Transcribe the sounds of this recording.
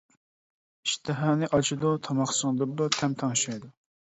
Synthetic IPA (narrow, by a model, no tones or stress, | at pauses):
iʃt̪ʰɨɦɑːnɨʔɑt͡ʃʰid̪ut̪ʰɑmɑχsɨŋd̪ɨd̪ut̪ʰɛmt̪ʰɑŋʃɑjd̪u